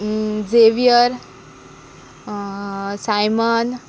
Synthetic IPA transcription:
d͡zeʋijəɾ | sajmən

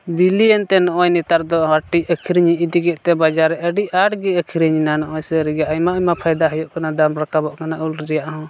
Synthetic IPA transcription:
biliɛnt̪ɛnɔʔɔjnit̪aɾd̪ɔɦaʈiəkʰiɾɲiʔid̪iɡɛʔt̪ɛbad͡ʒaɾːɛʔəɖiaɽɡɛəkʰiɾiɲinanɔʔɔjsɛɾɛɡaʔɔjmaʔɔjmapʰajd̪aɦəjɔʔkanad̪amɾakabɔʔkanaʔulɾɛɾɛjaʔɦɔ̃

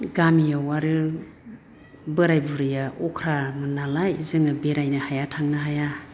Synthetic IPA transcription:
ɡamijawaɾɯ | bɯɾajbuɾɯjaʔɔkʰɾamɯnalajzɯŋɯbeɾajnahajatʰaŋnaɦaja

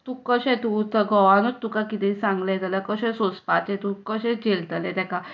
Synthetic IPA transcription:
t̪ukəɕɛ̃t̪ut̪əɡɔʋanot̪ːukakit̪ĩsãŋɡlẽt̪ələkəɕɛ̃sospat̪ẽt̪ukəɕɛ̃d͡ʑelt̪əlet̪ɛka

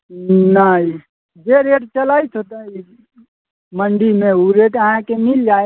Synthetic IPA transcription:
nai | d͡ʒeɾeʈt͡ʃəlajt̪ʰot̪əi | məɳɖimeuɾeʈəɦãkemild͡ʒa

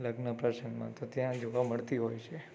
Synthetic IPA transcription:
ləɡnəpɾəʃənmã̰t̪ot̪jãd͡ʒoʋaməɭt̪iɦojt͡ʃʰe

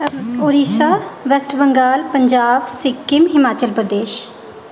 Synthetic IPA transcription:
oɾiːsaːʋɛsʈʰbəŋɡaːlpəɲd͡ʒaːbsɪkːɪmɦɪmaːt͡ʃəlpɾd̪eːʃ

